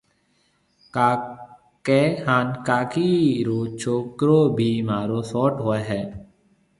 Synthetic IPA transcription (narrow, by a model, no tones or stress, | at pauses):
kehaːnkaːkiɾoːt͡ʃʰoːkɾoːbʱiːmaːɾoːsɔːʈɦoːeɦɛː